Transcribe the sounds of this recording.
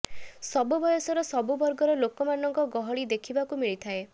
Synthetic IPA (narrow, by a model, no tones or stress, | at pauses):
sɔbubɔjɔsɔɾɔsɔbubɔɾɡɔɾɔlokɔmanɔŋkɔɡɔɦɔɭid̪ekʰibakumiɭit̪ʰae